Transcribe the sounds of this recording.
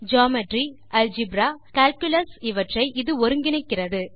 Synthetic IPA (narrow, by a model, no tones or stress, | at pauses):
d͡ʒaːmɛʈri | ɐld͡ʒɪbɾaːkaːlkjlɐsɪʋɐʈrɐɪʔɪðɯɔɾɯŋɡɪnɐɪkːɪrɐðɯ